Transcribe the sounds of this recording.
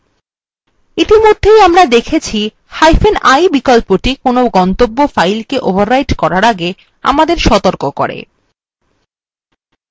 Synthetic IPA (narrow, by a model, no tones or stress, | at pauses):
it̪imod̪ʱːejamɾad̪ekʰet͡ɕʰi | hajfenajbikolpoʈikonoɡɔnt̪obːofajlkeʔobʱaɾːajʈkɔɾaɾaɡe | a̰mad̪eɾʃɔt̪oɾkokɔ̰ɾḛ